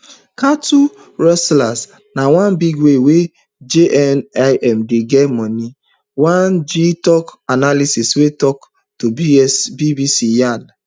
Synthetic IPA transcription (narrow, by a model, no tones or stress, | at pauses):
katu | ɹɔslas | nawãnbiɡwewe | d͡ʒeʔɛnaɪʔɛm̩deɡɛtmɔni | wãnd͡ʒitɔkanalisiswetɔk | toisbibisijan